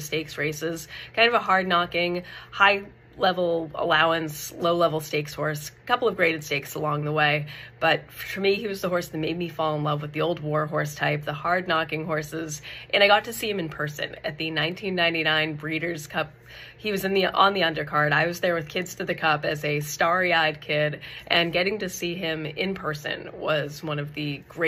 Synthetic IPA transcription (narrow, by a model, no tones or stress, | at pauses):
steɪksɹeɪsɪz̥kʰãɪ̃ndʌvəɦɑɹdⁿnɑkɪ̃ŋhaɪ | lɛvl̩ˠə̰laʊə̃nsloʊlɛvl̩ˠsteɪkshɔɹskʰʌpl̩ˠʌvɡɹeɪɾɨd̥steɪksəlɔ̃ŋðəweɪb̥ʌt̚fə˞miiwʌzðəɦɔɹsðɨt̚meɪd̚mifɔlˠə̃nlʌvwɨðioʊlˠd̚wɔɹɦɔɹstʰaɪp̚ðəhɑɹdⁿnɑkɪ̃ŋɦɔɹsɪzʔɨ̃ñaɪɡɑtʰɨsiɨ̃mɨ̃npʰɜ˞sɨ̰̃nɨ̰t̪̚ðɨnãɪ̃ntʰĩnːãɪ̃ntinãɪ̃nbɹiɾə˞z̥kʰʌp̚ | hiwʌzɨ̃nðiʔə̰̃nðiʌ̃ndə˞kʰɑɹɾaɪwʌzðə˞wɨð̥kʰɪdz̥tʰɨðɨkʰʌpɨzɨstɑɹiaɪd̚kʰɪɾʔɨ̃nɡɛɾɪ̃ŋtɨsiɪ̃mɪ̃npʰɜ˞sɨ̰̃nwʌzwʌ̃ñʌvðɨɡ̥ɹe